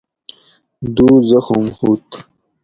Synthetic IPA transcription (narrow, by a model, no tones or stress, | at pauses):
d̪uːzɐxumhut̪